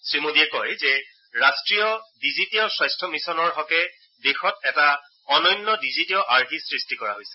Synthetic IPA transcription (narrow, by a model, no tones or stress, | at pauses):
sɹimodiɛkɔjzɛ | ɹastɹiɔdizitiɔsajstʰɔmisɔnɔɹɦɔkɛ | dexɔtɛta | ɔnɔjnːɔdizitiɔʔaɹkisɹistikɔɹa̰ɦojsɛ̥